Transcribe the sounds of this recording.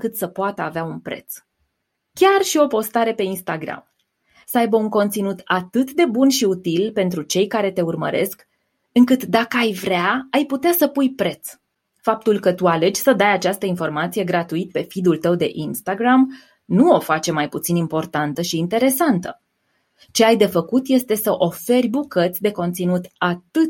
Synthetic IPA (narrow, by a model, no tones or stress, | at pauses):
kɨt̪səpoat̪əaveaunpɾe̞̰t̪s | kʲarʃio̞po̞st̪aɾe̞pe̞inst̪aɡɾa̰m | səajbəuŋko̞nt̪sinut̪at̪ɨt̪d̪e̞bunʃiut̪ilpe̞nt̪ɾut͡ʃe̞jkaɾe̞t̪e̞urmə̰ɾʔesk | ɨŋkɨt̪d̪akəajvɾʲaːjput̪easəpujpɾe̞t̪s | fap̚t̪ulkət̪uale̞d͡ʒsəd̪ajat͡ʃast̪əinfo̞rmat̪sije̞ɡɾat̪uit̪̚pe̞fid̪ult̪əwd̪e̞̰ʔinst̪aɡɾam | nuo̞fat͡ʃe̞majput̪sinimpo̞rt̪ant̪əʃiːnt̪e̞ɾe̞sant̪ə | t͡ʃe̞ajd̪e̞fəkut̪je̞st̪e̞səʔo̞fe̞rʲbukət̪sʲd̪e̞ko̞nt̪sinut̪at̪ɨt̪